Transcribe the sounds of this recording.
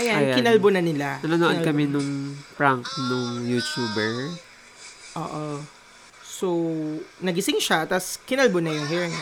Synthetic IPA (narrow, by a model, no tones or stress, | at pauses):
ʔɐjanjkɪnɐlbonɐnɪlaɐnonoʔonkɐmɛnʊŋfɹaŋknʊŋjut̪juːbɛɹ | ʔo̰ːʔo | sownɐɡɪsɪŋʃat̪ɐskɪnɐlbonɐjʊŋɦiɹŋ